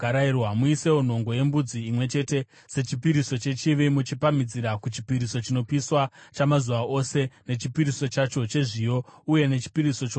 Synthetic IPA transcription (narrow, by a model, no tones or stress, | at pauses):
aɾairwamuise̞won̤o̞ŋɡo̞je̞mbud͡ziːmwe̞t͡ʃe̞te̞ | se̞t͡ʃipiɾiso̞t͡ʃe̞t͡ʃiʋimut͡ʃipamid͡ziɾakut͡ʃi̥piɾiso̞t͡ʃino̞piswat͡ʃamazuʋaʔo̞se̞ne̞t͡ʃipiɾiso̞t͡ʃat͡ʃo̞t͡ʃe̞ʐijo̞uje̞ne̞t͡ʃi̥piɾiso̞t͡ʃː